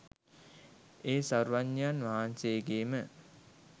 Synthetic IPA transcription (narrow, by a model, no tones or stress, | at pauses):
eːsaɾʋaɲːanʋaɦanseːɡeːmə